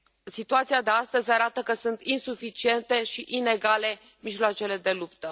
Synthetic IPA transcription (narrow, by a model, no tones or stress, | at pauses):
sit̪uat̪sijad̪e̞ast̪əzʲaɾat̪əkəsunt̪insufit͡ʃie̞nt̪e̞ʃiʔine̞ɡale̞ | miʒloat͡ʃe̞le̞d̪e̞lupt̪ə